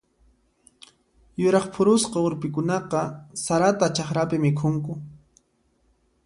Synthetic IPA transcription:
jʊɾɑχpʰʊɾʊsqɑʊɾpɪkʊnɑqɑsaɾat̪at͡ʃaχɾapɪmɪkʰʊŋkʊ

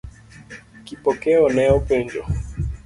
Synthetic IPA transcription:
kipɔkɛɔnɛɔpɛɲd͡ʒɔ̰

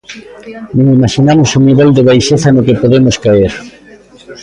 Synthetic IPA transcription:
nõŋimaʃinamosuniβeld̪ɪβajʃeθanokepoðemoskaeɾ

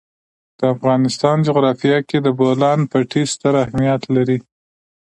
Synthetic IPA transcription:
d̪̥əafɣɑnɪst̪ɑnd͡ʒuɣɾɑfijɑked̪əbolɑnpəʈʰist̪əɾahmijat̪laɾi

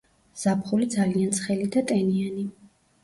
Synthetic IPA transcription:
z̥apʰχulid̪zaliant̪sʰχɛlid̪at̪ʼɛniani

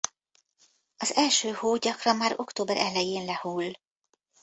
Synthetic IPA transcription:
ɒzɛlʃøːhoːɟɒkrɒnmaːɾo̞kt̪oːbɛɾʔɛlɛjeːnlɛhuːl

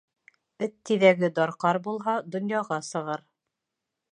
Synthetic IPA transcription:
ɵt̪ːiðæɡɘd̪ɑɾqɑɾbulˠɦɑd̪ŏnjɑʁɑsɤ̆ʁɤɾ

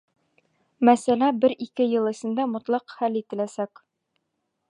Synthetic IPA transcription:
mæsælæbɘɾikɘjɤ̆lˠɘ̆sɘ̆nd̪æmŏt̪lˠɑqχælit̪ɘ̆læsæk

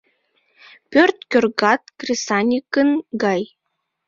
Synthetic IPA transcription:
pørt̪̚kʲørɣɑt̪krʲesɑnʲikənɡɑj

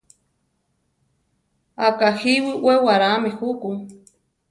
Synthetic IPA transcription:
akahiwiʔwewaɾamexuku

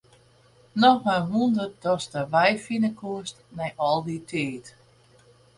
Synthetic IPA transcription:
nɔxmaʋundərdɔstəʋɛjfinəkʰuəstnɛjʔɔlˠditʰeːt

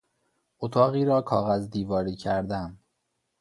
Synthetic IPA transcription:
ʔot̪ʰɒːɣiːɾɒːkʰɒːɣæzd̪iːvɒːɾiːcʰæɾd̪æm

